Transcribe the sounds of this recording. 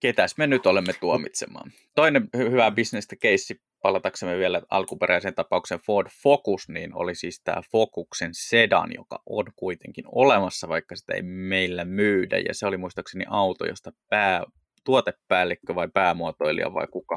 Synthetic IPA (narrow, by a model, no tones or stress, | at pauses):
ket̪æsmenyt̪olemːet̪uomit̪semˑɑ̰ːn | t̪oinemhyʋæbisnest̪ɑkeisːi | pɑlɑt̪ɑksemːeʋielæʔɑ̰lkupeɾæisent̪ɑpɑukseɱfoːdfokusniːno̰lisiːst̪æ̰ːfokuksensedɑ̰njo̰kɑ̰ʔo̰nkuit̪eŋkinolemɑsːɑʋɑikːɑsi̥t̪æḛimeilːæmyːdæ̰jɑ̰seolimuist̪ɑksenḭʔɑwt̪o̰jo̰st̪ɑpæː | t̪uot̪epːæːlːekːøʋɑipæːmuot̪oilḭɑ̰ʋɑ̰ikukɑ